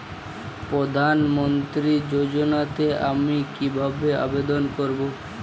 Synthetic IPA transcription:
pɾod̪ʱanmont̪ɾid͡ʑod͡ʑonat̪eʔamikibʱabea̰bed̪onkoɾbo

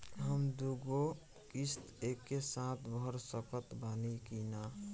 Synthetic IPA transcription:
ɦəmd̪uɡo | kist̪ekːesãt̪ʰbʱəɾsəkət̪baːnikinaː

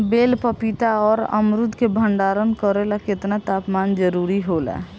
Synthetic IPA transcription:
belpəpit̪aɔːɾə̰mɾud̪ʱkebʱəɳɖaɾənkəɾelaket̪nat̪apmand͡ʒəɾuɾiɦolɛ̰

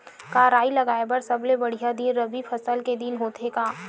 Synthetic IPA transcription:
kaɾaːilɐɡaːebɐɾsɐblebɐɽ̤ijad̪inɾɐbipʰɐsəlked̪inɦoːt̪ekaː

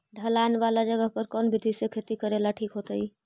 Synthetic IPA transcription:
ɖʱəlaːɪnʋaːlad͡ʒəɡəɦpəɾkɔːnbʱɪd̪ʱisekʰet̪ikəɾelaʈʰiːkɦoːt̪əiː

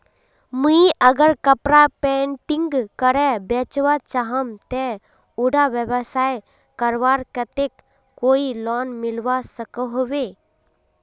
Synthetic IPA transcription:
muiəɡəɾkəpɾapeɳʈɪ̃ŋɡkəɾɛbet͡ʃʋat͡ʃaɦəmt̪ɛ | uɖaʋjəbəsaːj | kəɾʋaːɾkət̪ekː | oːilɔːnmɪlʋasəkəɦoʋe

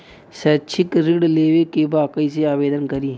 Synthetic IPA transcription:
sɐt͡ʃʰikɾɪkɽleːwekebaːkəiseaːʋeːd̪ənkɐɾiː

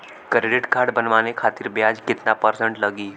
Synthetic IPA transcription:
kɾeɖɪʈkaɾɽbənʋanekʰat̪iːɾbjad͡ʒkɪt̪napəɾsəɳʈləɡiː

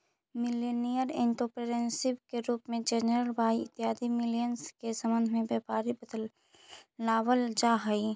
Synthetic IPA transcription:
mɪleːnijəɾɪ̃ɳʈopɾeɾẽnsɪbkeɾuːpmẽd͡ʒeːnɾəlbʱaːiɪt̪ːɪɦaːd̪imɪlijənskesəmə̃nd̪ʱmẽbjɐːpaːɾibəd̪əlː | aːʋəld͡ʒaːɦəi

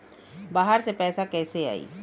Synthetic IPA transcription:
baːɦəɾsepɛːsakɛːsea̰ːḭː

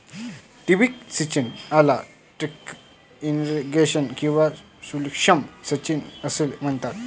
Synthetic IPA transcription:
ʈibiksit͡ɕinala | ʈɾik | inɾiɡeɕənkĩw̃ʋa | sulkʂəmsət͡ɕinəsilm̤ənt̪at̪̚

